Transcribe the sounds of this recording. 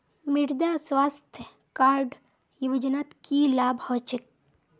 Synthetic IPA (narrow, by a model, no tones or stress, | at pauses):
mɪɾd̪aːswaːst̪ʰjə | kaːɾɖ | juʋəd͡ʒənaːt̪kilaːbʱɔːt͡ʃɪk̚